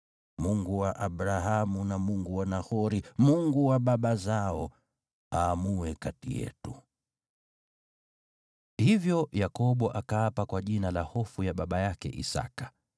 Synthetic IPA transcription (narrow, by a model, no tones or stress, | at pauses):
muŋɡuwaʔaɓɾaɦamunamuŋɡuwanahɔɾimuŋɡuwaɓaɓazaɔ | aːmuwɛkatḭjɛ̰tu | hivjɔjakɔɓɔʔakaapakwaʄinalahɔfujaɓaɓajakɛ̰ʔḭsa̰kḁ